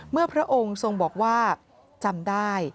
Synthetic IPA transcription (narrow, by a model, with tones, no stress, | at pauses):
mɯ˥˩ɐpʰɾa˦˥ʔo˧ŋso˧ŋbɔː˨˩k̚waː˥˩ | t͡ɕa˧mdaː˥˩j